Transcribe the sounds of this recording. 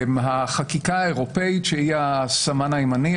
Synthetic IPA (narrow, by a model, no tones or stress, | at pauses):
mɦaχakikaaeʁo̞peitʃehiasamanaimani